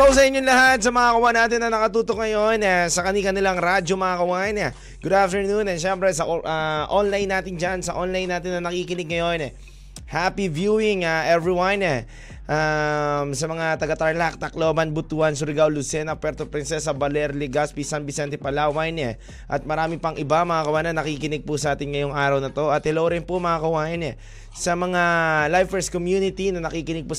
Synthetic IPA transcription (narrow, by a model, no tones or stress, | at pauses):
k̪ows̬ɐʔɪɲːoŋlɐhat̪̚sɐmɐŋakɐwanaːt̪ɪnːɐnɐkɐt̪uːt̪ok̚ŋɐjo̞nɛsɐkɐnikɐnɪlaŋɾad͡ʒomɐŋakɐwaɐnɛ | ɡ̥ʊd̪aft̪ɛɹnunɛʃɛmpɾɛsɐʔʔaʔonlajnːaːt̪ɪnd͡ʒansɐʔonlajnːaːt̪ɪnːɐnɐkikɪnɪɡ̚ŋɐjo̞nɛ | hapivjuɪŋaʔɛvɹiwɐnɛ | ʔamsɐmɐŋat̪ɐɡɐt̪ɾɐnlak̚t̪ɐklobɐnbʊt̪uansʊɾɪɡawlʊsɛnɐpwɛɾt̪opɾɪnsɛsɐbɐlɛɾlɪɡaspisanbɪsɛnt̪ɛpɐlaːwɐjnɛ | ʔɐt̪̚mɐɾaːmɪpɐŋʔɪbamɐŋaːkɐwaːnɐnɐkikɪnɪɡ̚pʊsɐʔaːt̪ɪnŋɐjo̞ŋʔaːɾɐwnɐt̪o̞ʔɐt̪hɛlowɾɪnpʊmɐŋakɐwaːjɐnɛ | sɐmɐŋalajvfɛɾs̚komjunɪt̪inɐnɐkikɪnɪɡ̚pʊ